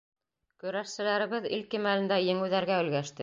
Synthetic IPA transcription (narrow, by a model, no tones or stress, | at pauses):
kɵ̆ɾæʃsɘ̆læɾɘ̆βɘðilkimælɘ̆nd̪æjɘ̆ŋɘ̆ðæɾɡæɵ̆lɡæʃt̪ɘ